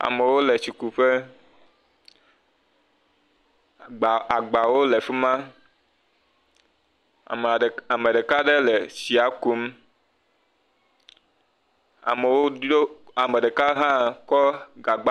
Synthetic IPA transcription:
a̰˨me˨wo˦le˨su˨ku˨ɸe˦˨ | a˨ɡ͡ba˨wo˦le˨fi˦mã˦˨ | a˨me˨ɖe˨ka˦ɖe˦le˨si˨a˨ku˨˦m | a̰˨me˨wo˦o˦a˨me˨ɖe˨ka˦ɦã˦kɔ˦ɡa˨ɡ͡ba˦

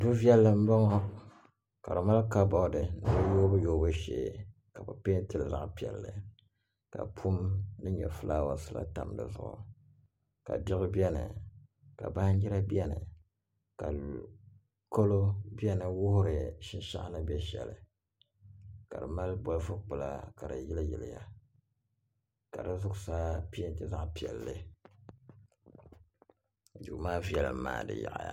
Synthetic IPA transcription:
bɨ˦vi˦ɛ˦lːɨ˨m̩˦ba˦ŋɔ˦ | ka˨ɾɨ˨ma˦lka˦bɔ˨˦dɨ˨nɨ˨bɨ˦joː˦bɨ˦joː˦bɨ˦ʃḛː˨˦ | ka˨bɨ˨pe˦n˦tɨ˨lza̰˨ʔpi˨ɛ̰˨lːɨ˨ | ka̰˨pʰu˦mnɨ˦ɲɛ̰˨fɨ˦laː˦wa̰˨sɨ˦la̰˦ta˨mdɨ̰˨zʊ̰˦ʔʊ̰˨ | ka̰˨dɪ˦ɣʊ˦bi˦ɛ˦nɨ̰˨ | ka˨ba˦i˦ɾa˦bi˦ɛ˦nɨ̰˨ | ka˨ | ko˦lo˦bi˦ɛ˦nɨ˨wʊ˦hʊ˦ɾɨ˨ʃɪ˦nʃa̰˦ʔnɨ˦bɛ˦ʃɛ̰˨lɨ˨ | ka˨dɨ˨ma˦lbo˦lfɨ˦k͡pʊ˨la˦ka˨dɨ˨jɪ˦lɨ˦jɪ˨lɪ˨ja˦ | ka˨dɨ˦zʊ˦ɡsaː˦pi˦n˨tɨ˦za˦ʔpi˨ɛ˨lːɨ˦ | d͡ʒu˨maː˦vi˦ɛ˨lma̰ː˨dɨ̰˨ja̰˨ʔja̰˦

